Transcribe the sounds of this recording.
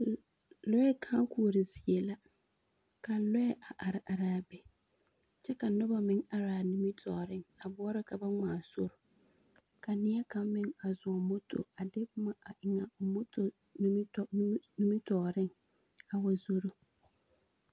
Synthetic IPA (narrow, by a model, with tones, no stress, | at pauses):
lɔ˦ɛ˦kʰãː˦kʰu˨o˨ɾɪ˨zi˨e˨la˦ | kʰa˨n̩˦lɔ˦jɛ˦ʔa˨ʔa˨ɾɪ˨ʔa˨ɾaː˨bɛ˨ | t͡ʃɛ˦ka˨nʊ˦ba˨mɪ̃˦ŋa˨ɾaː˨nĩ˨mi˦tʰɔː˨ɾɪ˦ŋa˨bʊ˦ɔ˦ɾɪ˦kʰa˨ba˦ŋaː˨sʊ˦ɾʊ˨ | kʰa˨nɪ˦ɛ˦ka˦mmɪ̃˦ŋa˨zʊ˨ɔ˨mo˦tʰo̰˨a˨dɪ˦pʊ˦ma˨a˨ʔɪ˨ŋa˨mo˦tʰo˨ | n˦˨˦nũ˦mi˦tʰɔː˨ɾɪ˦ŋ | a˨wa˨zu˦ɾu˦